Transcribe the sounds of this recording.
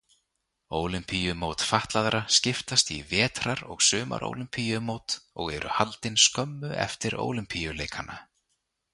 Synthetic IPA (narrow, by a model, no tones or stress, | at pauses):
oːwlʏmpʰijʏmoːwt̪faht̪laðɾascɪft̪ast̪ḭvɛːt̪ɾaɾɔɣsʏːma̰ɾʔo̰wlʏmpʰijʏmowt̪ɔɣɛɾʏ̰halt̪ɪnskœmːʏʔɛ̰ft̪ɪɾo̰ːwlʏmpʰijʏleːjkʰanːa̰